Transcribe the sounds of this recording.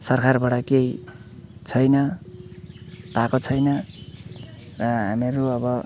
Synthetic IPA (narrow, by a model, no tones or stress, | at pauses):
sʌrkʰarbaɽʌkej | t͡sʰʌjnʌ | pakot͡sʰʌjnʌ | rʌɦa̰meɾuʌbʌ